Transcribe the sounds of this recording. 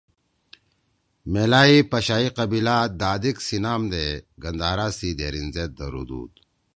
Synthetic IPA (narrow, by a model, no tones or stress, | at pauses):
melaːipɐɕaːiqɐbilaːd̪aːd̪iksinaːmd̪eɡɐnd̪aːɾaːsid̪eːɾinzeːt̪̚d̪ɐɾṵd̪ṵːd̪